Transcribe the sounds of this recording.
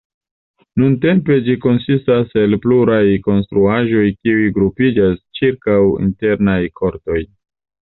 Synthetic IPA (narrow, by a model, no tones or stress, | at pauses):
nunte̞mpe̞d͡ʒiko̞nsistase̞lpluɾajko̞nstɾuaʒo̞jkiujɡɾupid͡ʒast͡ʃiɾkawḭnte̞ɾnajkʰo̞ɾto̞j